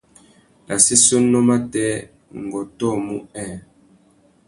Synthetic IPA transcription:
la˨si˦so˦nːɔ˦ma˦tɛː˦ | ŋ˨ɡɔ˨tɔ˦˨mu˦ɛː˦˨

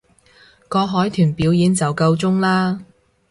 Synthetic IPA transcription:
kɔː˧ɦɔː˨˥jt̪ʰyː˨˩npiː˨˥wjiː˨˥nt͡sɐ˨wkɐ˧wt͡sʊ˥ŋlaː˥

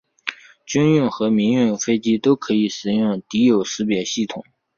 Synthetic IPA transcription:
t͡ɕy˥ny˥˩nxɤ˧˥mi˧˥ŋy˥˩nfe˥ɪt͡ɕi˥t̪o˥ʊkʰɤ˧˥i˨˩ʂɻ̩˨˥jʊ˥˩ŋt̪i˧˥jo˨˩ʊʂɹ̩˧˥pjɛ˨˩ɕi˥˩t̪ʰʊ˨˩˦ŋ

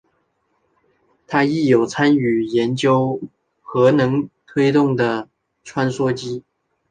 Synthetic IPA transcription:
t̪ʰa˥i˥˩jo˨˩ʊt͡sʰa˥ny˨˩jɛ˧˦nt͡ɕjo˥ʊ | xɤ˧˥nɤ˧˥ŋt̪ʰwe˥ɪt̪ʊ˥˩ŋd̪ə˨˩ | ʈ͡ʂʰwa˥nswɔ˥t͡ɕi˥

